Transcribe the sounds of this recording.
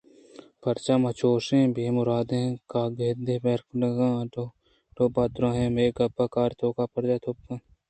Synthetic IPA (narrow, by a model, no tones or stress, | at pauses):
pɐɾt͡ʃaːmɐt͡ʃʰoːʃẽːbʱeːmʊɾaːd̪ẽːkaːɡeːd̪eːpeːɾknəɡãː | ʈoːbaːd̪ɾãːɦẽmeːɡɐbaːkaːɾt̪ʰoːkaːpɐɾd͡ʒaːt̪ʰoːp̚kãː